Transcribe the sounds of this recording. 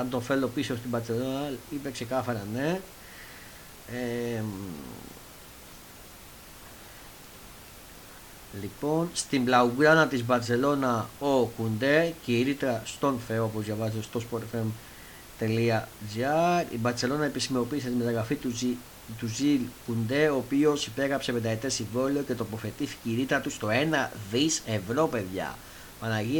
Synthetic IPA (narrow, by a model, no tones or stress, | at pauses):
ɐnt̪o̞fe̞lo̞piso̞st̪ibɐɾt͡se̞lonɐipekse̞kɐθɐɾɐne̞ | e | lipo̞nst̪imblɐuɡɾɐnɐt̪izbɐɾt͡se̞lo̞nɐokund̪e̞ceiɾit̪ɾɐst̪o̞nfe̞oopozʝɐvɐzst̪o̞spoɾt̪fem | t̪e̞liɐd͡ziɐɾḭbɐɾse̞lo̞nɐe̞pisimo̞piːs̬e̞t̪imet̪ɐɣɾɐfi | t̪uzilkund̪e̞oːpio̞sipe̞ɣɾɐpse̞pe̞nd̪ɐet̪e̞siɱvo̞leo̞ce̞t̪opo̞θe̞t̪iθi̥ceiɾit̪ɾɐt̪ust̪o̞e̞nɐðise̞vɾo̞pe̞ðʝɐ̰ | mɐnɐʝi